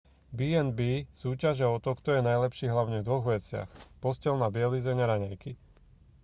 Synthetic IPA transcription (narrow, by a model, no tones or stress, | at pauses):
biːɛnbiːsuːcaʒɛɔt̪ɔkt̪ɔjɛnajlɛpʃiːɦlaʊɲɛvd̪ʋɔɣʋɛt͡sɪa̰xpɔscɛlnabɪɛlizɛɲaɾaɲajki